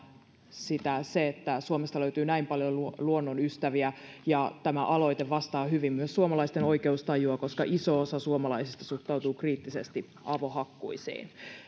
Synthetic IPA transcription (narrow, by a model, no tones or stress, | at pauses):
sit̪æseet̪ːæsuomest̪ɑløyt̪yːnæimpɑljoluluonːonyst̪æʋiæjɑt̪æmæʔɑlo̞it̪eʋʋɑst̪ɑːhyʋimːyøssuomɑlɑist̪eno̞ike̞ust̪ɑjuɑko̞skɑʔiso̞osɑsuomɑlɑisist̪ɑsuht̪ɑwt̪uːkriːt̪ːisest̪i | ɑʋohɑkːṵisḭːn